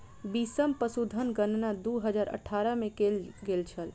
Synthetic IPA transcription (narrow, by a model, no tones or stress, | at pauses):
bisəmpəsud̪ʱənɡənnad̪uɦəd͡ʒaːɾə̰ʈʰːaɾəmẽkelɡelt͡ʃʰəl